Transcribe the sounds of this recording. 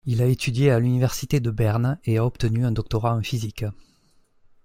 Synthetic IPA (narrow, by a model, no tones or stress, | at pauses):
ilaet̪ʰyd̪jealynivɛʁsit̪ed̪əbɛʁneaɔpt̪ənyɛ̃nd̪ɔk̚t̪ɔʁãɛ̃fizik